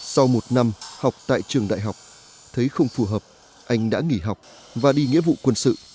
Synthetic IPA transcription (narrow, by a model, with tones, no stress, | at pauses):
sa˧wmo˨˩t̚na˧mha˨˩wk͡p̚t̪a̰ː˧˨jt͡ɕɨ˨˩əŋɗa̰ː˧˨jɦa˨˩wk͡p̚ | t̪ʰə˨˦jxə˧wŋ͡mfu˧˩ɦəː˨˩p̚ | ʔa˧jŋ̟ɗa̰ː˧˥ŋi˧˩ɦa˨˩wk͡p̚ | vaː˨˩ɗi˧ŋḭ˧˥əvṵ˧˨kwə˧nsɨ̰˧˨